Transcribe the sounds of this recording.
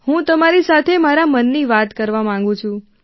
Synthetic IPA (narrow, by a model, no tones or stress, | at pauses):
hũt̪əmaɾisat̪ʰemaɾamənːiʋat̪kəɾʋamãŋɡũt͡ʃʰũ